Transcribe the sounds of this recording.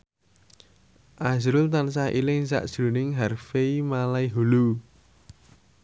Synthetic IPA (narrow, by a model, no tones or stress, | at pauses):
ʔazɾʊlt̪ans̬aɦʔilɪŋsa̰ʔʒ̥ɾunɪŋɦarfeimalaiɦulu